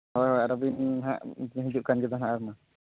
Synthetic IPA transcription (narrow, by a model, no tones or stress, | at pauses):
ɦɔjɦɔjaɾɔbinɦa̰ʔɦid͡ʒuʔkand͡ʒɛd̪ɔnãʔaɾma